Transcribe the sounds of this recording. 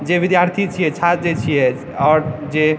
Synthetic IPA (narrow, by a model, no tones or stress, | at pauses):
d͡ʒeʋid̪jaɾt̪ʰit͡ʃʰijɛt͡ʃʰat̪d͡ʒet͡ʃʰijɛ | ɔːɾd͡ʒe